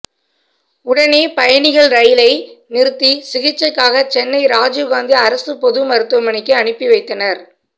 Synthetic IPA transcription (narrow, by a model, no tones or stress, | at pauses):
ʊɽɐneːpɐjɐnɪɣɐɭɾɐjɪlɐɪnɪɾɯt̪ːisɪɣɪt͡ʃːɐkːaːɣɐt͡ʃɛnːɐɪɾaːd͡ʒɯɡaːnd̪iɐɾɐsɯpɔðɯmɐɾɯt̪ːɐmɐɳɪkːɯɐɳɪpːiʋɐɪt̪ːɐnɐɾ